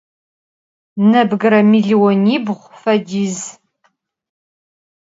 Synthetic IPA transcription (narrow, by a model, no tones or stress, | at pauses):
nɐbɡɨɾɐmiɮiwɔniːbʁʷfɐdiːz